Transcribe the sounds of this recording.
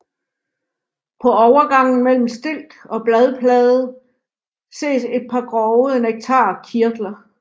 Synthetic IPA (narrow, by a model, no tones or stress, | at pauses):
pʰɒ̽ɒʊɐɡ̥ɑ̈ŋ̰n̩mel̰m̩sd̥e̝l̰d̥ɒ̽b̥lɛð̞ˠəpʰlɛːðˠə | se̝̰ːse̝d̥̚pʰɑ̈ɡ̥ʁɒʊeneɡ̥̚t͡sʰɑ̰̈ːkʰiɐd̥lɐ